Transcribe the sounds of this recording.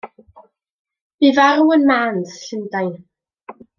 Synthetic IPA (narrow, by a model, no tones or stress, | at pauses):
b̥iːvaɾuənmaːnsɬɪndajn